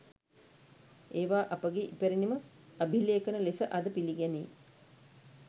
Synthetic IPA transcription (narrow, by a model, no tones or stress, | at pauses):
eːʋaːʔɐpəɡeʔipeɾinimə | ɐbʱileːkənəlesəʔad̪əpiliɡænḛː